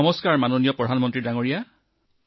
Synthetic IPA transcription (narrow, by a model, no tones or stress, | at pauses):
ɔmɔskaɹmanonijɔpɹɔdʱanmɔntɹidaŋoɹija